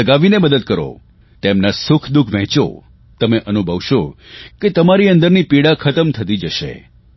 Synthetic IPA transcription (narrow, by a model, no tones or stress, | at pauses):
əɡaʋineməd̪əd̪̚kəɾo̰ | t̪emnasʊkʰd̪ukʰʋɛ̃t͡ʃo̰ | t̪əmeʔənubʱəʋʃoket̪əmaɾiə̃nd̪əɾnipiɽakʰət̪əmt̪ʰət̪id͡ʒəʃḛ